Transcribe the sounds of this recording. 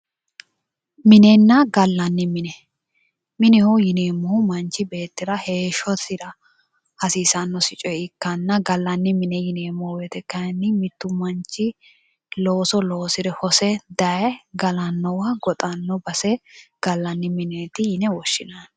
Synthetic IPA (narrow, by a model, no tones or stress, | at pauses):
mɪnɛnːɐɡɐlːɐnːɪmɪnɛ | mɪnɪhujɪneːmːɔhʊmɐnt͡ʃɪbe̞ːt̪ːɪɾɐhe̞ːʃɔt̪ɪɾɐ | hɐsiːsɐnːɔsɪt͡ʃʼɔɪkːɐnːɐɡɐlːɐnːɪmɪnɛjɪneːmːɔhweːt̪ɛkːɐjɐnːɪmɪt̪ːʊmɐnt͡ʃɪ | loːsɔlo̞ːsɪɾɛhɔsɛd̪ɐɛɡɐlɐnːɔwɐɡɔt̪ʼɐnːɔbɐsɛɡ̥ɐlːɐnːɪmɪneːt̪ɪjɪnɛwɔʃːɪnan